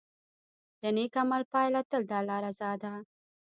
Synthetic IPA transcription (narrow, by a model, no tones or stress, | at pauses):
d̪ɐnekamalpaːjlɐt̪əld̪aːlaːɾazɑːd̪a